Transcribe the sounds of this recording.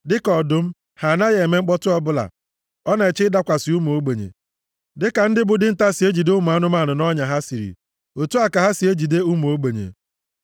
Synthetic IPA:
dɪ˦kɔ˨dʊ˨m̩˦ | ha˨na˦ɣe˨e˨me˦ŋ͡m̩˦k͡pɔ˦tʊ˦ɔ˦bʊ˦la̰˨ | ɔ˦na˨e˨t͡ʃɪ˦da˦kʷa˨sɪ˨u˦m˨o˦ɡ͡be˨ɲḛ˨ | dɪ˦ka˨n̩˦dɪ˦bʊ˨dɪ˦n̩˦ta˦si˨e˦d͡ʒi˨de˦u˦m˨a˦nʊ˦m˦a˦˨nʊ˨nɔ˦ɲa˨ɦa˦si˨ɾḭ˨ | o˨tu˦a˨ka˨ɦa˦si˨e˦d͡ʒi˨de˦u˦m˨o˦ɡ͡be˨ɲḛ˨

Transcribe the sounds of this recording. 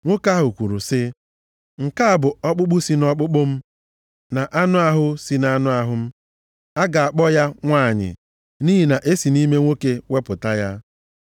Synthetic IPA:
ŋʷo˦ka˦ɦʊ˨kʷu˨ɾu˨sɪ˦ | ŋ̩˨ka˦˨bʊ˨ɔ˦k͡pʊ˦k͡pʊ˦si˦nɔ˦k͡pʊ˦k͡pʊ˦m̩˦ | na˨ʔa˦nʊ˦a˦ɦʊ˦si˨na˦nʊ˦a˨ɦʊ˦m̩˦ | a˦ɡa˨a˨k͡pɔ˦ja˦ŋʷa˦˨ɲɪ̰˨ | niː˦ɦi˨na˨ʔe˦si˨ni˦me˦ŋʷo˦ke˦we˦pʊ˨ta˦ja˦

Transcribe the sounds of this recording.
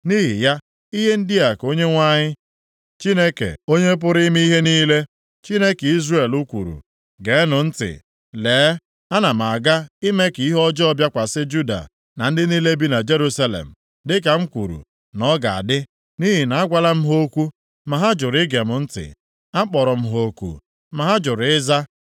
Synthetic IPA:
ni˦ɦḭ˨ja˦ | i˦ɦe˦n̩˦dɪ˦a˨ko˦ɲe˦ŋʷa˦ɲɪ˦ | t͡ʃi˦ne˦kḛ˨o˦ɲe˦p̬ʊ˦ɾi˦mi˦i˦ɦe˦niː˦le˦ | t͡ʃi˦ne˦ke˨i˦zre˨lu˦kʷṵ˨ɾṵ˨ | ɡe˨˦nʊ˨n̩˦tɪ̰˨ | leː˨˦ | a˦na˨m̩˨a˨ɡa˦ɪ˦me˦ki˨i˦ɦɔ˦d͡ʒɔ˦ɔ˦bja˦kʷa˨sɪ˦d͡ʒu˦da̰˨ | na˨n̩˦dɪ˦niː˦le˦bi˦na˨d͡ʒe˦ɾu˦sa˦lḛ˨m̩˨ | dɪ˦k̬a˨ŋ͡m̩˦kʷu˨ɾṵ˨ | nɔ˦ɡa˨a̰˨dɪ˦ | ni˦ɦi˨na˨a˦ɡʷa˦la˦m̩˦ɦo˦kʷu˦ | ma˨ɦa˦d͡ʒʊ˨ɾɪ˦ɡe˨mʊ˨n̩˦tɪ̰˨ | a˦k͡pɔ˨ɾɔ˨m̩˦ɦo˨˦kṵ˨ | ma˨ɦa˦d͡ʒʊ˨ɾɪ˦za˦

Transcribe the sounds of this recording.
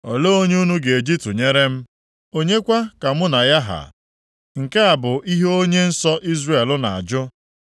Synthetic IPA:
ɔ˨lo˦o˦ɲe˦u˦nu˦ɡe˨e˨d͡ʒi˦p̚tʊ˨ɲe˦ɾe˦m̩˦ | o˦ɲe˦kʷa˦ka˨mʊ˦na˨ja˦ɦa̰˨ | ŋ̩˨ke˦a˨bʊ˨ʔi˦ɦe˦o˦ɲe˦n̩˦sɔ˦ʔi˦zre˦˨e˨lʊ˦na˨a̰˨d͡ʒʊ˦

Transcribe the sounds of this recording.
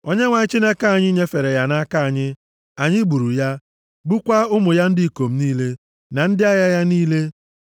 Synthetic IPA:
o˦ɲe˦ŋʷa˨ɲɪ˦t͡ʃi˦ne˦ka˦a˨ɲɪ˦ɲe˦fe˨ɾe˨ja˨na˦ka˦a˨ɲɪ˦ | a˨ɲɪ˦ɡ͡bu˨ɾu˨ja˦ | ɡ͡bu˦kʷa˦ʊ˦mʊ˨ja˦n̩˦dɪ˦˨ko˨m̩˦niː˦le˦ | na˨n̩˦dɪ˦a˦ja˦ja˦niː˦le˦

